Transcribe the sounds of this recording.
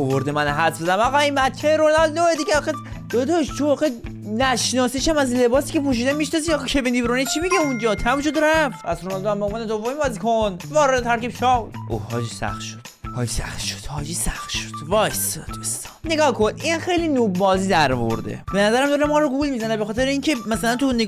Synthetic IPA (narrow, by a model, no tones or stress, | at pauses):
ovoɾd̪emænɦæt̪bezææmɒɣɒiːmbæt̪̚t͡ʃʰːeɾonɒlnoed̪iɡʲeɒxe | d̥̪od̪oʃt̪ʰovɒːɣe | næʃnɒːsiʃæmæzle̞bɒːsiːcʰe̞pʰuʃ̬iːd̪ænmiʃnɒziɒɣɑkʰebinibɾonit͡ʃʰimiɟeund͡ʒɒːt̪ʰæmʃod̪ɾæfæ̰sɾonɒld̪oæmboːmvɑned̪ovomibɒːzikʰonvɒːɾed̪ed̪ʰæɾkʲibt͡ʃʰɒwd̪ʔo̰hɒ̰ːd͡ʒiːsæ̰xt̪ʃod̪̥hɒ̰ːd͡ʒisæ̰χt̪ʃo̥d̪̥hɒːd͡ʒisæxt̪ʃo̥d̪̥vɒjsod̪̥ost̪ɒ̥neɡɒːhkʰoniːnæmxe̞jlinobɒːziːd̪æɾvooɾd̪ḛb̥e̞næzæɾæmd̪ɒːɾemɒːɾoɡulmizænebexɒːt̪ʰeɾeiːŋcʰe̞mæsælænt̪unːe